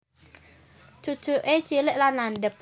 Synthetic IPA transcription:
t͡ʃu̥t͡ʃuʔet͡ʃilɪʔlanlanɖəp̚

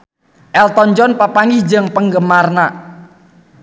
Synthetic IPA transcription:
ʔɛlt̪ɔɲd͡ʒɔnpapaŋɪhd͡ʒəŋpəŋɡəmarna

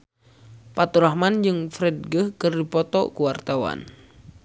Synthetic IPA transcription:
pat̪uɾahmand͡ʒɨŋfɾɛd̚ɡəhkərdipɔt̪ɔ̰kuwart̪awa̰n

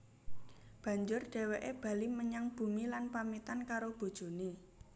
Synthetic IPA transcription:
b̥ä̤ɲd͡ʒʊrɖ̥e̤weʔeb̥a̤liməɲaŋb̥ṳmilanpamit̪ankaɾob̥o̤d̥ʒ̥o̤ni

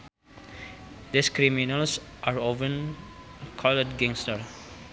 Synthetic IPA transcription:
d̪iskɾiminəlsʔaɾovə̃n | kʰɔlɛtɡẽŋstəɾ

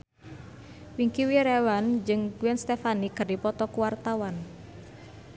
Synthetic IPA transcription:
wiŋkiwiɾewand͡ʒɨŋɡuɛnst̪efanikərdipɔt̪ɔkuwart̪awan

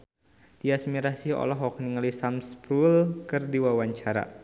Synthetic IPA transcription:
d̥iasmiɾasiɔ̰lɔɦɔkniŋlisamspɾulkɨrdiwawaɲt͡ʃaɾa̰

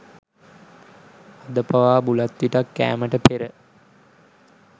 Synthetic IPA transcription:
ad̪əpaʋaːbulat̪ːʋiʈakːæ̰ːməʈəpeɾə

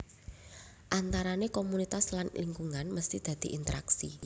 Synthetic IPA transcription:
ʔant̪aɾanekomunit̪aslanliŋkuŋanməst̪ihd̪̥ä̤d̪̥i̤ʔint̪əɾa̰ksi

